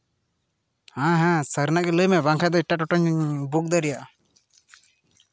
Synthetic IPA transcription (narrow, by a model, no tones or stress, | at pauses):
hãɦãsəɾnaʔkiləjmɛβaŋkʰajd̪ɔiʈːaʈɔʈɔɲbuk̚d̪əɾɛjaʔa